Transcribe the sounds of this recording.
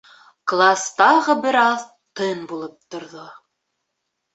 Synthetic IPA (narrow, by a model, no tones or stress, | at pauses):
klˠast̪ɑʁɤbɘɾɑð | t̪ɤnbulˠɤp̚t̪ŏɾðo